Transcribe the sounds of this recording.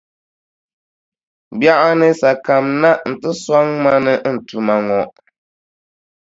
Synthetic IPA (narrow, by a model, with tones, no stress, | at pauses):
bja˦ʔa˦nɨ˦sa˨ka˨mna˦ʔn̩˨tɨ˦sa˦ŋma˦nɨ˦n̩˨tu˨ma˨ŋɔ˨ʔ